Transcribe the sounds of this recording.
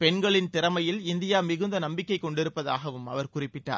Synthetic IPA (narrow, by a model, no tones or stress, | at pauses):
pɛɳɡɐɭɪnt̪ɪɾɐmɐjɪlɪnd̪ɪjaːmɪɣɯnd̪ɐnɐmbɪkːɐɪkːɔɳɖɪɾɯpːɐða̰ːɣɐʋɯmɐ̰ʋɐɾkʊrɪpːɪʈːa̰ːɾ